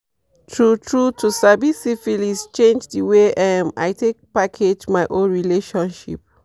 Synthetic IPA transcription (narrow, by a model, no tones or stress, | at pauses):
tʰɹutʰɹutʰusabisifilist͡ʃẽnd͡ʒdiweʔɛma̰jtʰek̚pakʰed͡ʒmaɪʔõnɹileʃɔ̃nʃḭp̚